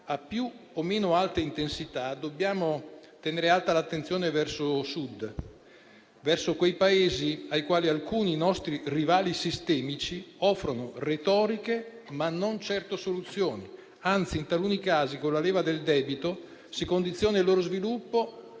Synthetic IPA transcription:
apːju | omeːnoalt̪eint̪ensit̪ad̪obːjaːmot̪eneːɾealt̪alat̪ːent̪sjoːnevɛrsosud̪ | vɛrsokwejpaeːziajkwaːlialkuːninɔst̪ɾirivaːlisist̪ɛːmit͡ʃiɔfːɾonoret̪ɔːɾike | manːont͡ʃɛrt̪osolut̪sːjoːni | ant̪siːnt̪alunikaːzikonlːaleːvad̪eld̪ɛːbit̪o | sikond̪it̪sːjoːnailːoːɾozvilupːo

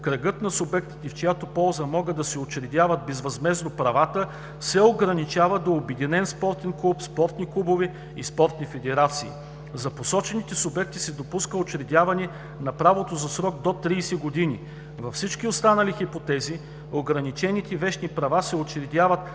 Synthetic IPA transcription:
kɾɐɡɤt̪nɐsʊbɛk̚t̪i̥t̪ɛft͡ʃojat̪opɔlˠzəmɔɡəd̪d̪ɐsɛot͡ʃɾɛd̪ʲjavɐt̪̚bɛzvɐzmɛznopɾɐvat̪ə | sɛoɡɾɐnit͡ʃavəd̪oːbɛd̪inɛnspɔɾt̪ɛnklˠupspɔɾt̪niklˠubovɛ | ḭspɔɾt̪nifɛd̪ɛɾat̪siː | zɐposɔt͡ʃɛnit̪ɛsʊbɛk̚t̪isɛd̪opuskəot͡ʃɾɛd̪ʲjavɐnɛ | nɐpɾavot̪ozɐsɾɔɡ̚d̪ot̪ɾiːsɛɡod̪ini | vɐfsit͡ʃkiost̪anɐlixipot̪ɛzi | oɡɾɐnit͡ʃɛnit̪ɛvɛʃnipɾɐvasɛot͡ʃɾɛd̪ʲjavɐt̪

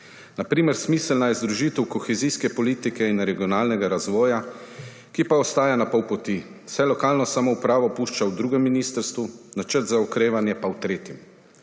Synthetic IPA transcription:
napɾiːmɛɾsmiːslnajɛzd̪ɾuʒit̪ɛwkɔxɛziskɛpɔliːt̪ikɛinɾɛɡiɔnaːlnɛɡaɾazʋɔːja | kipaɔst̪aːjanapɔwpɔt̪i̥ | sɛjlɔkaːlnɔsamɔupɾaːʋɔpuːʃt͡ʃawd̪ɾuːɡɛmːiniːst̪əɾst̪ʋunat͡ʃəɾt̪zaɔkɾeːʋanjɛpawt̪ɾeːt̪jim

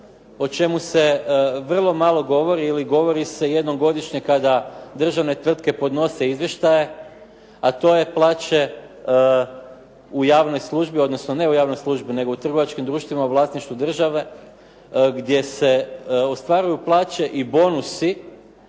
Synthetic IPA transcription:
o̞t͡ʃe̞muse̞ʋr̩lˠo̞malˠo̞ɡo̞ʋo̞ɾiːliɡo̞ʋo̞ɾise̞je̞d̪no̞ɡo̞d̪iʃɲe̞kad̪ad̪r̩ʒaʋne̞t̪ʋr̩t̪ke̞po̞d̪no̞se̞izʋjeʃt̪aje̞ | at̪o̞je̞plˠaːt͡ɕe̞ | ujaːʋno̞jslˠuʒbio̞d̪no̞sno̞ne̞ujaːʋno̞jslˠuːʒbine̞ɡo̞ut̪r̩ɡo̞ʋat͡ʃkimd̪ɾuːʃt̪ʋimauʋlˠaːsniʃt̪ʋud̪r̩ʒaʋe̞ | ɡd̪je̞se̞o̞st̪ʋaɾujuplˠaːt͡ʃe̞ʔibo̞nusi

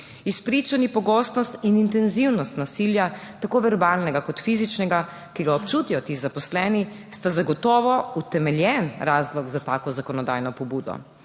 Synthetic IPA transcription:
ispɾit͡ʃanipɔɡɔːst̪nɔst̪inint̪ɛnziwnɔst̪nasiljat̪akoːʋɛɾbaːlnɛɡakɔt̪fizit͡ʃnɛɡa | kiɡaɔpt͡ʃut̪ijɔt̪izapɔslɛːni | st̪azaɡɔt̪ɔːʋɔut̪ɛmɛljɛnɾaːzlɔɡzat̪aːkɔzakɔnɔd̪a̰jnɔpɔbuːd̪ɔ̰

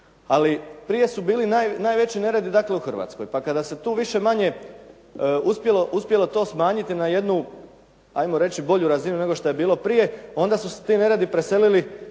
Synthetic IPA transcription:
alipɾije̞subiːlinajnaːjʋe̞t͡ɕine̞ɾed̪id̪akle̞uxr̩ʋa̰ːt̪skojpakad̪ase̞t̪uːʋiʃe̞maɲe̞ | uspje̞lo̞ʔuspje̞lˠo̞t̪o̞ːsmaːɲit̪inaje̞d̪nu | a̰jmoɾe̞t͡ɕibo̞ʎuɾazinune̞ɡo̞ʃt̪oebiːlo̞pɾije̞o̞nd̪asuset̪iːne̞ɾed̪ipɾe̞se̞lili

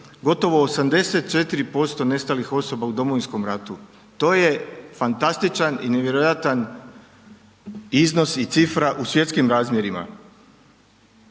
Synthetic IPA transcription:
ɡo̞t̪o̞ʋo̞ːsamd̪e̞set̪̚t͡ʃe̞t̪iɾipo̞st̪o̞ne̞st̪alixo̞so̞baud̪o̞moʋinsko̞mɾat̪u | t̪o̞ːje̞fant̪ast̪it͡ʃanine̞ʋje̞ɾojat̪an | izno̞sit̪sifɾaʔusʋje̞t̪skimɾaːzmje̞ɾima̰

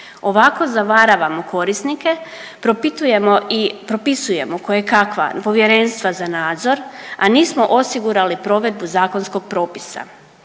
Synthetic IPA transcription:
o̞ʋako̞zaʋaɾaʋamo̞kʰo̞ɾisnike̞ | pɾopit̪ujemoipɾo̞pisuje̞mokojekakʋa̰po̞ʋje̞ɾe̞ːnst̪ʋazanaːd̪zo̞ɾaniːsmo̞ʔosiɡuɾalipɾo̞ʋe̞d̪̚buzaːko̞nsko̞ɡ̥̚pɾo̞ːpi̥sa̰

